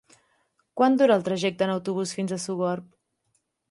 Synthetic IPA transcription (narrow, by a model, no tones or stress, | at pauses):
kwand̪uɾəːlˠt̪ɾəʒɛk̚t̪əːnəwt̪uβ̞usfinzəsuwɣɔrp̚